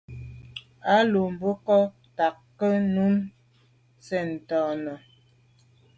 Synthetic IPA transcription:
a˦lo˨m̩˨bə˦kɔ˦ | ta˨kːə˦nu˦m | sɛ˨n̩˨tɔ˨nə˨

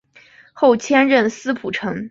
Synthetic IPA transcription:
xo˥˩ʊt͡ɕʰjɛ˥nɻə˥˩nsɹ̩˥pʰu˨˩ʈ͡ʂʰɤ˧˥ŋ

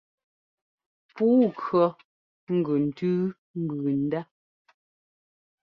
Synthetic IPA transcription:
puː˨˦kɰɔ˨ | ŋ̩˦ɡʉ˨n̩˨tʉː˦ | ŋ̩˦ɡʉː˨n̩˨da˦

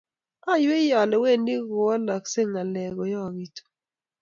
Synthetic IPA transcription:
a˦jwe˦jɔ˨lɛ˨we˦˨ndi˦ɡo˨ɔ˦la˨kse˦ŋa˨lɛ˨ɡɔ˨jɔ˦˨ɡi˨to̥˨

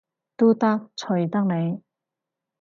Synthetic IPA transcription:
t̪uː˥t̪ɐ˥k̚t͡sʰɵ˨˩jt̪ɐ˥k̚ne˨˧j

